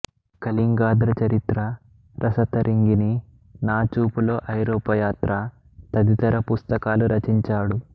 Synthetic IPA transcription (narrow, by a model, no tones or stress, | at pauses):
kɐliŋɡaːd̪ɾɐt͡ʃɐɾit̪ɾɐ | ɾʔɐsɐt̪ɐɾʔiŋɡini | naːt͡ʃuːpulo̞ːʔɐjɾoːpɐjaːt̪ɾʔɐ | t̪ɐd̪it̪ɐɾɐpust̪ɐkaːluɾɐt͡ʃiɲt͡ʃaːɽu